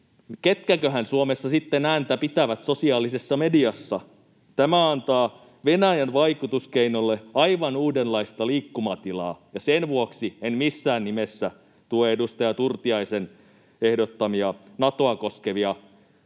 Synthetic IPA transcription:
ket̪kækøɦænsuomesːɑsit̪ːenæːnt̪æpit̪æʋæt̪sosiɑːlisesːɑmediɑsːɑ | t̪æmæɑnt̪ɑː | ʋenæjænʋɑikut̪uskeinolːeɑiʋɑnuːdenlɑist̪ɑliːkːumɑt̪ilɑ̰ːjɑsenʋuoksienmisːæːnnimesːæ | t̪ueedust̪ɑjɑt̪urt̪iɑisen | ehdot̪ːɑmiɑnɑt̪oɑkoskeʋiɑ

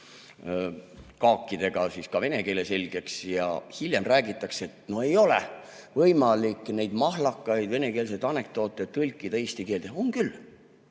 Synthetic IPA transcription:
kɑːkːid̪̥e̞ɡ̥ɑsiskɑve̞ne̞ke̞ːle̞se̞lʲɡ̥e̞ksjɑ̰hilʲjemræːɡit̪ːˑɑkseet̪no̞hejo̞lḛ | vɤjmɑlikːne̞jd̪̥mɑɦlɑkːˑɑjd̪̥ve̞ne̞ke̞ːls̬e̞t̪ɑne̞k̚t̪o̞ːt̪ːˑet̪ːɯlʲkːˑid̪̥ɑeːst̪ike̞ːld̪̥eoŋkylː

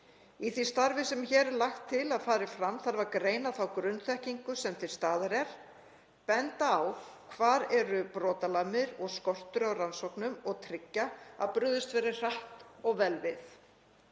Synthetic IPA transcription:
iθist̪aɾvɪsɛmçɛːɾɛɾlaxt̪ʰːɪlaðfaːɾɪfɾamθaɾvaɾkɾeːjnaθawkɾʏnθɛhciŋkʏsɛmt̪ʰɪlst̪aːðaɾɛɾ̥ | pɛnt̪aːwkʰvaːɾɛɾʏpɾɔːt̪alamɪɾɔɣskɔr̥t̪ʏɾawransɔwknʏmɔɣt̪ʰɾɪcːaa̰ðpɾʏðʏst̪vɛːɾɪr̥aht̪ɔɣvɛlvɪθ

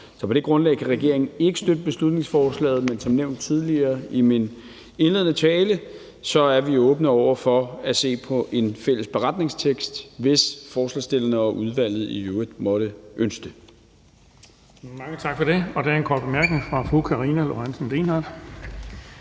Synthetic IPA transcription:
sɒpʰɒ̽ɾ̥e̝ɡ̥ʁɔ̽nlɛ̰ɪkʰæʁɛɡ̥e̝ɐ̰e̝ŋn̩e̝ɡ̥əsd̥ød̥əb̥e̝slud̥ne̝ŋsfɒːslɛ̰ːð̞̩ˠmensɒ̽mneʊnd̥̚t͡sʰið̞ˠliɐːimin | e̝nle̝ðˠn̩ət͡sʰɛːlə | sɒ̽æɐʋiɔ̽ːb̥nəɒʊ̰ɐfɒ̽æse̝̰ːpʰɒ̽ʔe̝nfel̰əsb̥e̝ʁɑ̈d̥ne̝ŋst͡sʰeɡ̥sd̥ʋe̝sfɒːslɛ̰sd̥e̝lɐnəɒ̽ʔuð̞ˠʋæl̰ð̞̩ˠijøəd̥mɒ̽ɾ̥əʔønsd̥ə | mɑ̈ŋət͡sʰɑ̈ɡ̥fɒɾ̥e̝ɒ̽d̥æɐenkʰɒ̰ːd̚b̥emæɐɡ̥neŋfʁɑ̈fʁukʰɑʁiːnælo̝ænsn̩leːnɑ̈d̥

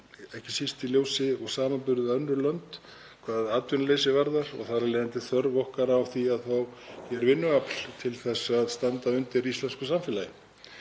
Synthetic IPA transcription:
ɛhcɪsist̪iljoːwsɪɔɣsaːmampʏɾðʏœnːʏlœnt̪ | kʰvaːððaːt̪ʏnleːjsɪvaɾðaɾɔ̰ɣθaɾaleːðɪnt̪ɪθœɾvɔhkaɾawθiaðθawçɛɾvɪnːʏapl̥t̪ʰɪlθɛsːaðst̪ant̪aʏnt̪ɪɾist̪lɛnskʏsamfɪlajɪ

